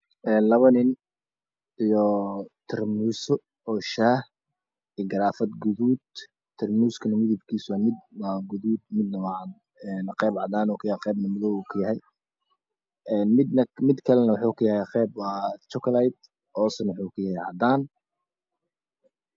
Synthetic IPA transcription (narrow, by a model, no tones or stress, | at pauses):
ʔɛːnlɐβɐnɪn | ijɔt̪ʰɐrmuːsɔ | ɔːʃaːh | ɪɡɐɾaːfɐd̪ɡʊðuːd̪ | t̪ʰːɐrmuːskʰɐnɐmɪðɪb̚kʰiːswaːmɪd̪̚waːɡʊðuːd̪̚mɪd̪nɐwɑd̪ | ɛnɐqɛːbʕɑd̪aːnɔkʰɐjaqɛːbnɐmʊðɔwkʰɐjɐɦɛj | ɛːnmɪd̪nɐmɪd̪kʰɐlɛnɐwħukʰɐjɐhɛqɛːb̚wɑːt͡ʃɔkʰɐlajd̪̚ | ʔɔːsɐnwħuːkʰʊjaɦɛʕɑ̰d̪aːn